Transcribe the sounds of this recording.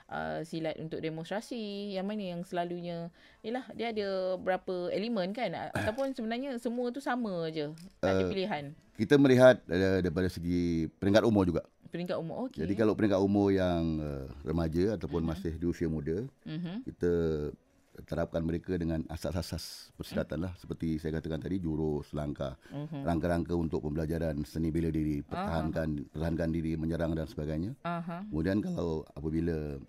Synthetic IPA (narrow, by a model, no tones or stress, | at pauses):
ʔə̰silat̪̚ʔunt̪ʊk̚demõnst̪ɾasijaŋmanəjaŋsəlaluɲə̃ | jəlahdiəadəbəɾapəelimə̃nkana̰t̪awpʊnsəbənarɲəsəmuət̪usamə̃d͡ʒəʔaəəpiliɦankit̪əməliɦat̪̚ədaipadasəɡipəɾiŋkat̪umɔd͡ʒuɡaʔ | pəɾiŋkat̪umɔ̰ʔokd͡ʒadikalawpəɾiŋkat̪umɔjaŋərə̰mad͡ʒəat̪awpʊnmasɪhdiusiəmudəkit̪ə | t̪əɾap̚kanməɾekədəŋana̰saʔsasaspərsəɾat̪anlahsə̥pərt̪isajakat̪akant̪adid͡ʒuɾʊsəlaŋkaraŋkaɾaŋkəunt̪ʊk̚pəmbəlad͡ʒaɾansənibelədiɾipərt̪aɦankanpərt̪aɦankandiɾiməɲəɾaŋdansəbaɡajɲaaɦkəmudiankalawa̰pəbilə